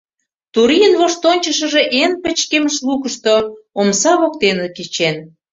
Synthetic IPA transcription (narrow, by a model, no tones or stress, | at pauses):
t̪uɾijənβoʃt̪onʲt͡ɕəʃə̆ʒeʔenpə̆t͡ɕkeməʃlukəʃt̪oomsɑβokt̪enekit͡ɕen